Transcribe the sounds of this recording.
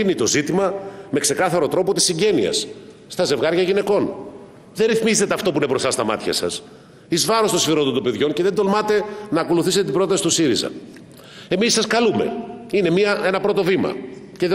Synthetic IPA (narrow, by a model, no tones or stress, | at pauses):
init̪o̞zit̪imɐme̞kse̞kɐθɐɾo̞t̪ɾo̞pot̪isiɲɟe̞niɐ̰sː | t̪ɐze̞vɣɐɾʝɐʝine̞ko̞n | ðeɾiθmizet̪eɐft̪o̞p̬uinepɾo̞sɐst̪ɐmɐ̰t̪çɐ̰sɐ̰s | izvɐɾost̪oifeɾo̞nd̪ot̪ope̞ðʝo̞nce̞ðed̪o̞lmɐt̪e̞nɐːko̞luθiset̪et̪ibɾo̞t̪ɐsi̥t̪usiɾizɐ̰ | e̞misːɐskɐlume̞̰ine̞miɐe̞nɐpɾo̞t̪o̞vimɐ̰ce̞ðe